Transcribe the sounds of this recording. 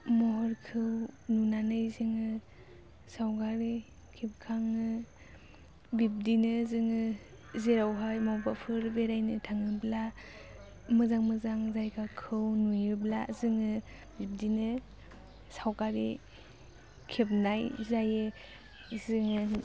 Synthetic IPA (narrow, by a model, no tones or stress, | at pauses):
mɔɦɔɾkʰɯwnunanɯjzɯŋɯ | sawɡaɾi | kʰep̚kʰaŋɯ | bip̚dinɯzɯŋɯ | zeɾawɦajmawbapʰɯɾbeɾajnɯtʰaŋɯbla | mɯzaŋmɯzaŋzajkʰakʰɯwnujɯblazɯŋɯ | bip̚dinɯ | sawkaɾi | kʰep̚najzajɯ | zɯŋɯ